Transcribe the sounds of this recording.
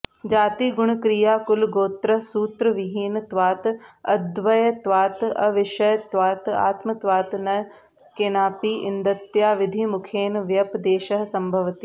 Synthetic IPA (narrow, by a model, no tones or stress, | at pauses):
d͡ʒaːt̪iːɡʊɽ̃kɾijaːkʊlɡoːt̪ɾəsuːt̪ɾəʋɪɦiːnt̪ʋaːt̪ɐd̪ʋɐjt̪ʋaːt̪ɐʋɪʃɐjt̪ʋaːt̪a̰ːt̪mɐt̪ʋaːt̪nɐ | keːnaːpiːʔɪ̰nd̪ɐt̪ːjaːʋɪd̪ʱimʊkʰeːnʋjɐpd̪eːʃɐɦsɐmbʱɐʋt̪i